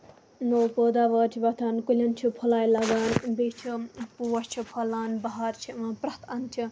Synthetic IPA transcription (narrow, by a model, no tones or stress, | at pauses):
nopoːd̪aːʋɐːɾt͡ʃʰibɐt̪ʰaːnkulʲɐnt͡ʃʰipʰɐlaːjlaɡaːnbit͡ʃʰipuwɐst͡ʃʰipʰɐlaːnbɐɦaɾt͡ʃʰiʋãpɾɐt̪ʰɐnt͡ʃʰi